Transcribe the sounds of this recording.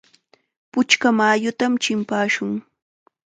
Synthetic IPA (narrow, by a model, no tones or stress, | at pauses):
pʊt͡ʃkamaːjʊt̪amt͡ʃɪmpaːʃʊŋ